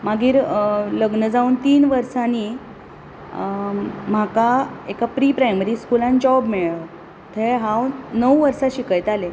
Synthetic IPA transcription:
maɡiːɾləɡnəd͡zauːnt̪iːnʋəɾsani | m̤akaekapɾiːpɾajməɾiːskulãnd͡ʑɔbmiɭə | t̪ʰeɦãwnəwʋəɾsaɕikəjt̪ale

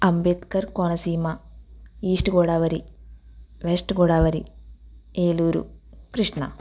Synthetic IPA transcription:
ɐmbet̪kɐɾkoːnɐsiːmɐ | iːʂʈuɡoːɽaːʋɐɾi | ʋesʈɡoɽaːʋɐɾi | eːluːɾṵkɾiʂɳɐ̰

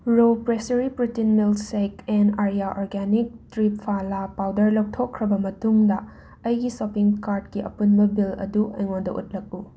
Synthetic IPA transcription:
ɾopɾesɐɾipɾitinmilsekɛnaɾiaʔoɾɡenik̚tɾip̚pʰalapawdɐɾlɐk̚tʰokʰːɾɐbɐmɐtuŋdɐ | ɐjɡisopiŋkaɾd̚kiʔɐ̰punbɐbilɐ̰duʔɐjŋondɐʔṵt̚lɐk̚ːu

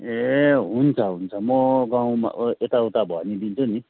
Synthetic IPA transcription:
eɦunt͡sʰʌɦunt͡sʰʌmʌɡãw̃ma̰et̪awt̪abʱʌnid̪int͡sʰuni

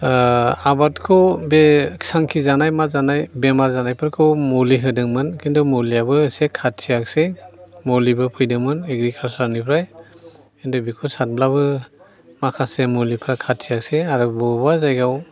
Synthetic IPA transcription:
abatkʰɔwbe̥saŋkʰizanajmazanajbemaɾzanajpʰɯɾkʰɯwmoliɦɯdɯŋmɯnkindɔmolijabɯsekʰat̚ʰijaksejmolibɯpʰɯjdɯmɯneɡɾikʰalsɔɾnipʰɾaj | kindɔbikʰɔsat̚blabɯ | makʰasemolipʰɾakʰat̚ʰiakseaɾɯbɔbazajɡaw

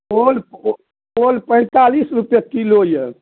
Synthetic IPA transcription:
ol | olpə̃ɪ̃t̪alisɾupjəkilojə

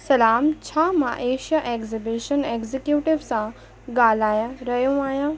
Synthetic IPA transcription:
sɐlaːmt͡ɕʰaːmã̰ʔeːʃijaʔeːkzibiʃəneːkzikjuːʈɪʋsã | ɡaːl̤aːjaɾɐɦjũaːɦjãː

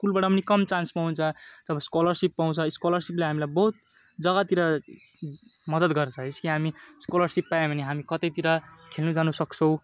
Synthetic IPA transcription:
skulbaʈʌpʌnikʌmt͡sansmaɦunt͡sʰʌd͡zʌbʌskolʌrsipːaw̃t͡sʰʌskolʌrsipleɦamilajbʌɦut̪̚ | d͡zʌɡat̪iɾʌ | mʌd̪ʌd̪ɡʌɾt͡sʰʌɦeskiɦamiskolʌrsipːajẽbʱʌneɦamikʌt̪ʌjt̪iɾʌkʰelnud͡zanusʌkt͡sʰʌw̃

